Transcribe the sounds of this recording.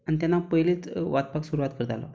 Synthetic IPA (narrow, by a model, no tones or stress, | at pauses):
añit̪janːapəɦilet͡sʋat̪̚paksuɾuʋat̪kəɾt̪a̰lɔ̰